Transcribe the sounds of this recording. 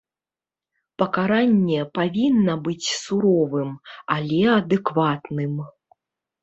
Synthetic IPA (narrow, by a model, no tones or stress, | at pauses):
pɐkaɾanʲːɛpavʲinːɐbɨt͡sʲsuɾɔvɨmalʲɛɐd̪ɨkvat̪nɨm